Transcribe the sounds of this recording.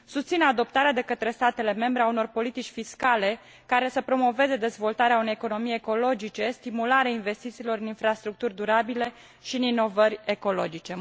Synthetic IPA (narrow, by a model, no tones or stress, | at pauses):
sust̪sinad̪o̞p̚t̪aɾead̪e̞kət̪ɾe̞st̪at̪e̞le̞me̞mbɾe̞auno̞rpo̞lit̪it͡ʃʲfiskale̞ | kaɾe̞səpɾo̞mo̞ve̞ze̞d̪e̞zvo̞lt̪aɾeaunejeko̞no̞mijeko̞lo̞d͡ʒit͡ʃe̞st̪imulaɾeainve̞st̪it̪siːlo̞ɾɨninfɾast̪ɾuk̚t̪urʲd̪uɾabile̞ | ʃiɨnino̞vəɾʲeko̞lo̞̰d͡ʒit͡ʃe̞